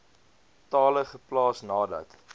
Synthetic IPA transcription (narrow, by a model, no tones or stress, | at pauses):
tɑːləχəplɑːsnɑːdɐ̰t